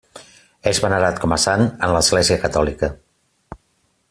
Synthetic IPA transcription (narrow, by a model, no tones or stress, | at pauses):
ezβənəɾat̪̚kʰɔməsanənləzɣleziəkət̪ɔlikə